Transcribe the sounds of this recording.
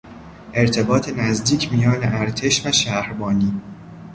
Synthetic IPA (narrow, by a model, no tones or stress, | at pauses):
ʔe̞ɾt̪ʰe̞bɒːt̪ʰe̞næzd̪iːcʰmijɒːneʔæɾt̪ʰe̞ʃvæʃæhɾbɒːniː